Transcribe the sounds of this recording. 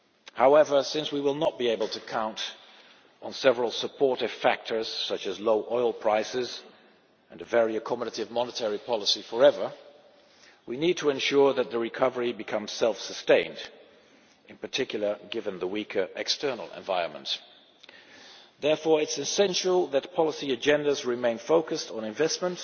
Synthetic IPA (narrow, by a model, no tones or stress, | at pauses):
haʊɛvə˞sɪ̃nswiwəlˠnət̚b̥ieɪbl̩ˠtʰɨkʰãʊ̃nt | n̩sɛvɹəl̩ˠsəpʰɔɹɾɨv̥fæk̚tʰə˞z̥sʌt͡ʃɨzloʊʔɔɪl̩ˠpʰɹ̥aɪsɪz | ɨ̃nɨvɛɹiɨkʰɑməɾəɾɨvmɑnətʰɛɹipʰɑlˠəsifə˞ɛvə˞ | winid̚tʰəɨ̃nʃʊɹðɨt̪̚ðɨɹɨkʰʌvə˞ibɨkʰʌ̃mz̥sɛlˠfsəstẽɪ̃nd | ɨ̃npə˞tʰɪkjl̩ˠə˞ɡɪvɨ̃nðəwikʰə˞ʔɛ̰kstʰɜ˞nl̩ˠɨ̰̃ɱvaɪɹə̃nmə̰̃nt | ðɛɹfɔɹɨtsɨsɛ̃nʃl̩ˠðɨt̚pʰɑlˠəsiɨd͡ʒɛ̃ndəzɹɨmẽɪ̃nfoʊkɨstn̩ɨ̃ɱvɛstmə̃nt